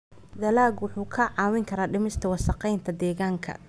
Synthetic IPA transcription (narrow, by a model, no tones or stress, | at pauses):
d̪ɐlaːɡwʊħuːkʰɐʕɑːwɪŋkʰɐɾaːɖɪmɪst̪ʰɐwɑsɑqɛjnt̪ʰɐd̪ɛːɣaːŋkʰɐ̰